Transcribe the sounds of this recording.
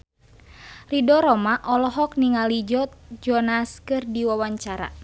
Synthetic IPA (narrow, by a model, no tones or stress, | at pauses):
ridɔɾɔmaʔɔlɔɦɔk̚niŋalid͡ʒɔt̪̚d͡ʒɔnaskɨrdiwawaɲt͡ʃaɾa̰